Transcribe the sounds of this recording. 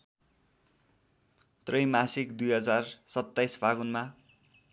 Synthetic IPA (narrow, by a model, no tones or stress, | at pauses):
t̪rʌjmasikd̪ujɦʌd͡zarsʌt̪ːajsbaɡunma